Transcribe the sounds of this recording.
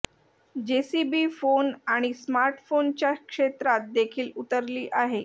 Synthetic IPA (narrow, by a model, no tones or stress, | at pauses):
d͡ʑesibiːfonaɽ̃ismaɾʈfont͡ɕjakʂet̪ɾat̪̚d̪ekʰiːlut̪əɾliːʔaɦe